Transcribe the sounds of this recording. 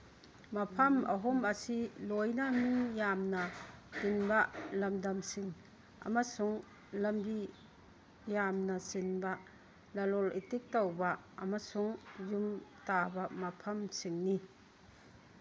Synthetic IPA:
mɐpʰɐmʔɐ̰ɦɔmɐsilojnamijamnɐtinbɐlɐmdɐmsiŋ | ɐ̰masuŋ | lɐmbi | jamnɐsinbɐ | lɐlɔlḭtik̚tɔwbɐ | ɐmasuŋjumtabɐmɐpʰɐmsiŋni

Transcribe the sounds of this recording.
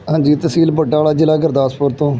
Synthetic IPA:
ɦãːd͡ʒiːt̪əsiːlbəɖaːlaːd͡ʒɪlaːɡəɾd̪aːspoːɾt̪õː

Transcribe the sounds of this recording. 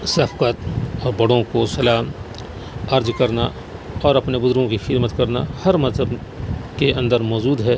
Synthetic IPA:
sɐfkət̪ɔːɾbɐɽõkosɐlaːm | ɐɾd͡ʒkɐɾna | ɔːɾɐpnebʊzɾõkixɪd̪mət̪kɐɾna̰hɐɾmɐzɦəb | keʔɐ̃nd̪əɾmɔːd͡ʒuːd̪ɦɛː

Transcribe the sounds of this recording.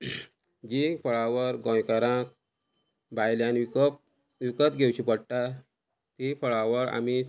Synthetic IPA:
d͡ʑifəɭaʋəɾɡɔ̃jkaɾãk̚ | bajljan | ʋikət̪ɡʱewɕipəɽʈ̪a | t̪ifəɭaʋəɾa̰mi

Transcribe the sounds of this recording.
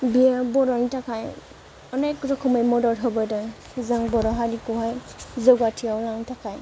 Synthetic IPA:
biabɔɾɔnitʰakʰaj | ɔnekːɔtɔkʰɔmɔjmɔdɔɾɦɔbəda | zaŋbɔɾɔɦaɾikɔɦajzɔɡatʰijawlaŋtʰakʰaj

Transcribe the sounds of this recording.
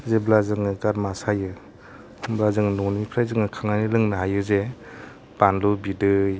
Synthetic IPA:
zeblazɯŋɯɡaɾmasajɯ | blazɯŋnɔnipʰɾajzɯŋɯkʰaŋanilɯŋnaɦajɯze | b̥anlubidɯj

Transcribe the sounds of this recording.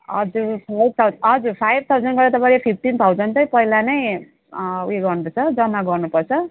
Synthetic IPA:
ʌ̰d͡zuɾok̚t̪ʰawɦʌd͡zuɾpʰajb̚ʱt̪ʰawd͡zʌnɡʌɾʌt̪ʌpãlepʰip̚ʰʈint̪ʰawd͡zʌnt̪ʌjpʌɦilanʌj | ṵeɡʌrnupʌrt͡sʰʌd͡zʌmːaɡʌrnupʌrt͡sʰʌ

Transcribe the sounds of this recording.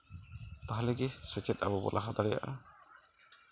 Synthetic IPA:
t̪aɦalɛɡɛsɛt͡ʃɛt̪̚ʔabɔbɔ̰lʔaɦad̪aɾɛja̰ʔa

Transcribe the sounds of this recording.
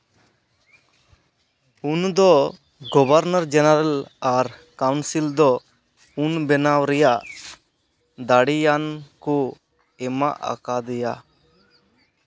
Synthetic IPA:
und̪ɔ | ɡɔbaɾnaɾd͡ʒɛnaɾalaɾkawnsild̪ɔ | unbɛnawɾɛjaʔ | d̪aɽijanku | ɛma̰ʔa̰kad̪ɛja̰

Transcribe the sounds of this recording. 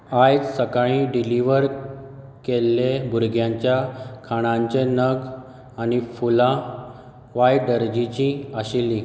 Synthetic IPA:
ajd͡zsəkaɭĩɖiliʋəɾ | kelːebʱuɾɡʱjãɲt͡ɕjakʰaɽ̃ãɲt͡ɕenəɡ | anifulã | ʋajɖəɾd͡ʑit͡ɕĩaɕilːĩ

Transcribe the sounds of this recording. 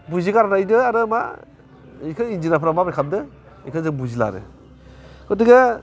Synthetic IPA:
buzikaɾanajdɯaɾɯma̰ | kʰɯind͡ʒinapʰɾamapakʰap̚dɯ | ikʰɯzɯŋbuzila̰ɾɯ̰ | kʰɯtiɡa

